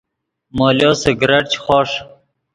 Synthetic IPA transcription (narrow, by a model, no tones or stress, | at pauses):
moːljoːseɡɾɐʈt͡ʃχɔːʂ